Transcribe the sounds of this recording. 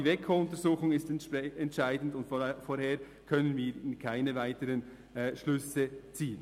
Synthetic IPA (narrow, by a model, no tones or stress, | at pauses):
ivekʰoːʊntəzuːxʊŋɪstɛntʃaɪdn̩dʊntfoheːɾ | kʰœnənviːɾɪnkʰaɪnəvaɪtəɾənː | ʃlʏsət͡siːən